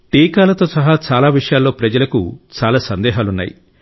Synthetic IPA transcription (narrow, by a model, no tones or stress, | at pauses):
ʈiːkaːlɐt̪o̞ːsɐɦat͡ʃaːlaːʋiʂɐjaːlːo̞ːpɾɐd͡ʒɐlɐkut͡ʃaːlaːsɐnd̪ɛːɦaːlunːa̰ːjḭ